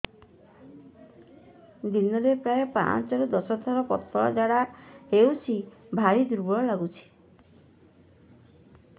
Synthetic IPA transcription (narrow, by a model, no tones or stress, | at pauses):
d̪inɔɾepɾaepã̰t͡ʃɔɾɔd̪ɔsɔd̪ʱɔɾɔpɔt̪ːɔɭa̰d͡ʒaɽaɦewt͡ʃʰibʱaɾid̪uɾbɔɭɔlaɡut͡ʃʰi̥